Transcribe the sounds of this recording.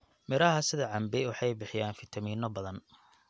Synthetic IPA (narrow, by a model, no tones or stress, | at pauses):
mɪɾɐɦɐsɪðɐʕɑmbɪwɑħɑjbɪħɪjaːnfɪt̪ʰɐmiːnɔbɐðɐn